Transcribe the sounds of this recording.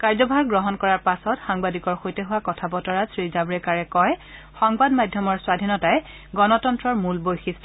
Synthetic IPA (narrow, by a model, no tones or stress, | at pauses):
kaɹzɔbʱaɹɡɹɔɦɔnkɔɹaɹpasɔtxaŋbadikɔɹxojtɛɦʊwakɔtʰabɔtɔɹasɹizabɹɛkaɹɛkɔj | xɔŋbadmadʱjɔmɔɹswadʱinɔtaj | ɡɔnɔtɔntɹɔɹmulbojxis